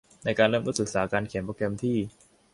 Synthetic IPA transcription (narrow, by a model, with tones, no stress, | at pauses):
na˧jkaː˧nlɤː˥˩mt̪ːsɯ˨˩k̚saː˩˦kaː˧nkʰe˨˩˦mpoː˧kɛ˧mt̪ʰiː˥˩